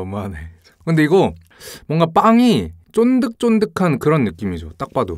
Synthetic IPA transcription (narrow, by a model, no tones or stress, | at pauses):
ʌmane | kɯnde̞iɡʌ | mwʌŋɡap͈aŋit͡ɕ͈ondɯk̚t͡ɕ͈ondɯkʰankɯɾʌnːɯk͈imid͡ʑot͈ak̚p͈ado